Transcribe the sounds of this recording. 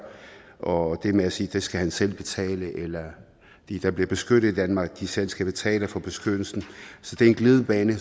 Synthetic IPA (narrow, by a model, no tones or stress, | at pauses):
ʔɒ̽d̥e̝meæsiːd̥e̝sɡ̥æhænsel̰b̥e̝t͡sʰɛ̰ːləʔelɐ | d̥id̥ɑ̈b̥liɐb̥e̝sɡ̥ød̥ð̩ˠid̥ænmɑ̈ɡ̥̚d̥isel̰sɡ̥æb̥e̝t͡sʰɛ̰ːlɐfɒ̽b̥e̝sɡ̥ød̥l̩sn̩sɒ̽d̥e̝ɐenɡ̥le̝ːð̞ˠəb̥ɛːnə